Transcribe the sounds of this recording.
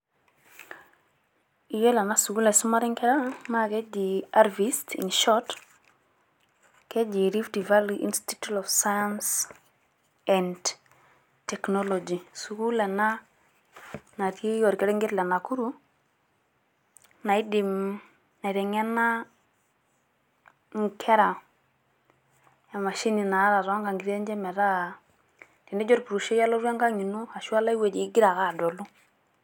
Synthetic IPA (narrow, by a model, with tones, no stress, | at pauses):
i˨je˦la˨na˦su˨ɡu˦le˨su˦ma˦ɾi˦ŋke˦ɾa˦ma˦ke˦d͡ʒi˨a˦ɾvistḭnʃɔt | ke˦d͡ʒi˨ɾi˦fdi˨va˦liʔḭ˦nsti̥˦tutɔfsajans | ɛnd | tɛ˨kno˦lo˨d͡ʒi˨su˨ɡu˦le˨na˦ | na˨ɾi˦jɔ˨ɾkɛ˦ɾɛ˦ŋɡe˦tlɛ˨na˨ku˦ɾu˦ | na˨i˦di˨m | na˨i˨ɾɛ˨ŋɛ˦na˦ | ŋ˨kʰɛ˦ɾa˨ | a˨ma˨ʃi˦ni˨na˨˦ɾa˨ɾɔ˦ŋɡa˨ŋɡi˦ɾe˦ɲd͡ʒɛ˦mɛ˨ɾa˦ | ti˨nɛ˦d͡ʒɔ˦ɾpu˨ɾu˨ʃe˦ja˦lo˦ɾa˦ŋɡa˦ŋi˨nu˦a˨ʃu˦a˦la˦i˦we˨d͡ʒi˨˦ɡi˦ɾa˨ka˦˨do˨lu˦